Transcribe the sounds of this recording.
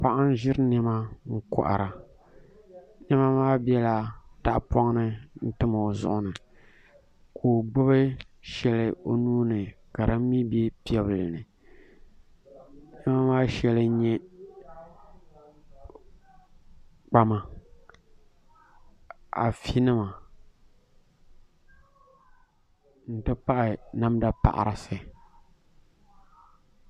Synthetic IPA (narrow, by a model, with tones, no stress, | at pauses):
pa˦ʔa˦n˦ʒɪ˦ɾnɛ˦ma˦ŋ̩˦kʊ̰˨ʔa̰˨ɾa˨ | nɛ˦ma˦maː˦bjɛ˦la˨da˦ʔpɔ˦ŋ˦nɨ˦n̩˦tɨ˦ma˨zʊ̰˦ʔʊ˦nɨ˨ | kʰoː˨ɡ͡bʊ˦bɨ˦ | ʃɛ˦lɨ˨o̰˦nuː˦nɨ˨ka˨ɾɨ˦m˦mi˦bɛ˦pi˨˦ɛ˦βɨ˨lɨ˨nɨ˨˦ | nɛ˦ma˦maː˦ʃɛ˦lɨ˦ɲɛ˦ | k͡pa˦ma˦ | a̰˨fi˦nɨ˦ma˨ | n̩˨tɨ˦pa˦ʔɪ˨na˦mda˦pa̰˨ʔa̰˨ɾɪ˨sɨ˨